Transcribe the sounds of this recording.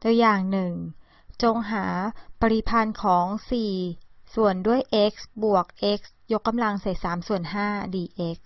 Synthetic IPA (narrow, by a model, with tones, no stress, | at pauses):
do˧əjaː˨˩ŋnɯ˨˩ŋ | t͡ɕo˧ŋɦaː˩˦pa˧ɾi˧pʰa˧nkʰɔː˩˦ŋsiː˨˩su˨˩əndu˥˩əjʔe˦˥k̚sbu˨˩ək̚ʔe˦˥k̚s | jo˦˥kːa˧mla˧ŋsa˨˩˦jsaː˩˦msu˨˩ənɦaː˥˩diː˧ʔe˦˥k̚